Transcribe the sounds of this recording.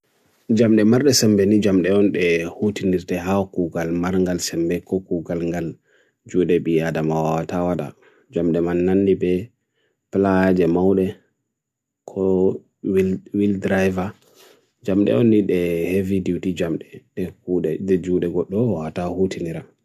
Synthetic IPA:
d͡ʒamɗɛmaɾɗɛsɛmbɛnid͡ʒamɗɛɔnɗɛhutiniɾtɛɦakuɡalmaɾŋɡalsɛmbɛkɔkuɡalŋɡal | d͡ʒuɗɛɓiadamawawatawada̰ | d͡ʒamɗɛmanːanːibɛ | plad͡ʒɛmawɗɛ | kʰɔ | wwildɾajva | d͡ʒamɗɛ̰ɔnːiɗɛhevidiwtid͡ʒamɗɛɗɛkuɗɛɛd͡ʒuɗɛɡɔɗːɔwawatahutiniɾa

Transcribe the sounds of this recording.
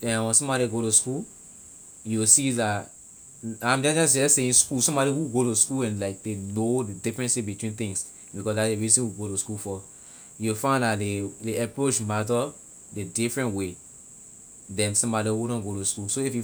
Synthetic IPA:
ɛ̃wɛ̃nsɔ̃mbɔɾiɡoɾuskul | jusilat | ãɪ̃md͡ʒɛ̃d͡ʒãsɛseĩnskulsɔ̃mbɔɾihuɡoɾuskulɛ̃nlaɪk̚denodidifɹɛ̃nsebitwĩnθĩŋs | bikɔsdaeɹizĩnhuɡoɾuskulfɔ | jufãɪ̃ndaleleapɹot͡ʃmat̬ɔ | dedifɹɛ̃ntwe | dɛ̃nsɔ̃mbɔɾihuɾɔ̃nɡoɾuskulsoifju

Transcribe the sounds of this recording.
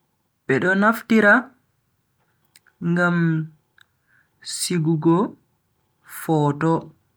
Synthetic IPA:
ɓɛɗɔnaftiɾa | ŋɡam | siɡuɡɔ | fɔːtɔ

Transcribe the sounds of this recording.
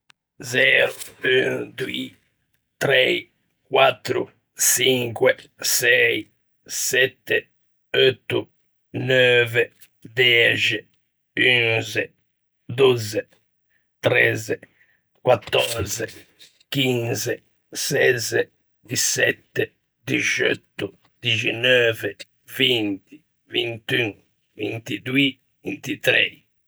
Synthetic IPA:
zɛːɾuyŋd̪ui | t̪ɾɛji | kwat̪ːɾṵ | ʃiŋkwesɛi | sɛt̪ːe | ɔt̪ːu | nøːvɛ | d̪ɛd͡ʒi | ynzɛ | d̪uzɛ | t̪ɾɛzɛ | kwat̪ːɔɾzɛ | k̟inzɛ | sɛzɛ | d̪isɛt̪ːɛ | d̪it͡ʃɔ̰t̪ːu | d̪id͡ʒɛnɔːvɛ | vint̪i | vint̪yŋ | vḭnt̪id̪ui | vint̪it̪ɾɛ

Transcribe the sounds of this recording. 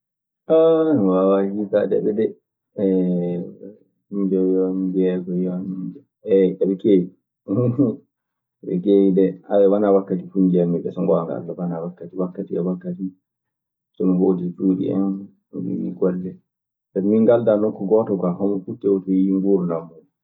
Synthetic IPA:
awawahitaɗɛ̰ɗɛdɛ | ɛ | hiɲd͡ʒɛjɔnd͡ʒɛɡɔjɔnid͡ʒɛ | ɛɛɓɛkewi | ɓɛ̰kewidɛawɛwanawakːatifuɲd͡ʒɛmːɛd͡ʒɛsɔŋɡɔaŋɡa̰ldɔwanawakːatiwakːatiɛwakːati | sɔmihodid͡ʒuɗḭɛ̰n | mḭnḭɡɔlːɛ | sɛmiŋɡaldanɔŋkɔɡɔtɔkahɔmɔfutːɛwɔtɔiŋɡuɾnamːu

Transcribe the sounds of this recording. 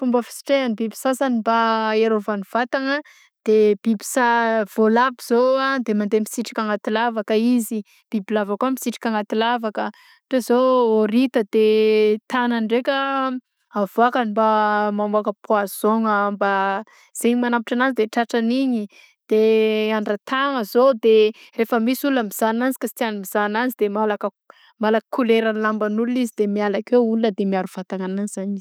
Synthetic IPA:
fumbəfi̥si̥ʈ͡ʂeanibibi̥sasanimbaeɾovaniv̥at̪aŋə | d̪̥eb̥ibi̥sav̥olabiz̥oad̪emand̪emisiʈ͡ʂi̥kʲaŋat̪ilavakəizi | b̥ibilavakuəmisiʈ͡ʂi̥kʲaŋat̪ilavakə | ʈ͡ʂezooɾit̪əd̪et̪ananɖ͡ʐekʲə | avoakanimbamamuakəpʰuaz̥oŋəmba | z̥eɲimanampiʈ͡ʂananzid̪eʈ͡ʂaʈ͡ʂaniɲi | d̪̥eaɳɖ͡ʐat̪aŋəzod̪erefəmisulunəmiz̥ananzi̥kasi̥t̪ianimiz̥ananzid̪emalakə | malakəkʰuleɾanlambanulunizid̪emialakeulunəd̪emiaɾuv̥at̪aŋananizaɲiz̥

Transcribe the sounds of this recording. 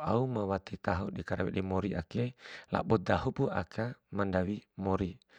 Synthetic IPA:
aumawat̪it̪aɦuɗikaɾawɛ̰ɗimoɾiʔa̰kela̰ɓɔd̪aɦupua̰kʰamandawimoɾi

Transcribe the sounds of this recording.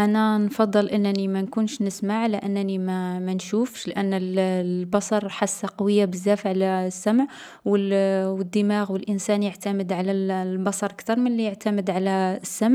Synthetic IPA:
ʔænænfɑd̪ˤːəlʔənːnimænkunʃnəsmaʕləʔænːnimæmænʃufʃlʔænːəlbɑsˤɑɾˤħasːaqɑwəjːabəzːæfʕlæsːæmʕ | wəwəd̪ːəmaɣwəlʔənsænjəʕt̪æməd̪ʕalællbɑsˤɑɾˤʔkt̪ɑɾˤmənlijəʕt̪æməd̪ʕalæsːamʕ

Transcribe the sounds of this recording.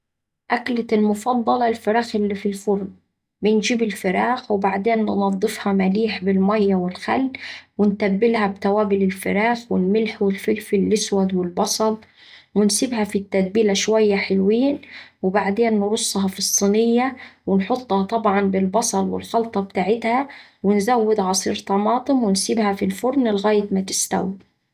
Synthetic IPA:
ʔaklat̪ɪlmʊfɑd̪ˤːɑlɑlfɪɾaːxɪlːiːfilfʊɾn | bɪnd͡ʒiːbɪlfɪɾaːxwɪbaʕd̪eːnːnɑd̪ˤːɨfhɑmaliːħbɪlmajːawɪlxa̰lːwɪnt̪abːɪlhabt̪awaːbɪlɪlfɪɾaːxwɪlmɪlħwɪlfɪlfɪlʔɪswad̪wɪlbɑsˤɑlˤ | wɪnsɪbhafit̪ːad̪̚biːlaʃwajːaħɪlwiːnwɪbaʕd̪eːnːɾʊsˤːhɑfɨsˤːinɪjːawɪnħʊt̪ˤːhɑt̪ˤɑbʕɑnbɪlbɑsˤɑlˤwɪ̰lxɑlt̪ˤɑbt̪aːʕɪt̪ha | wɪnzawːɪd̪ʕɑsˤiːɾt̪ɑmɑːt̪ˤɨmwɪnsɪbhafilfʊɾnlɣaːjɪt̪mat̪ɪ̥st̪a̰wi

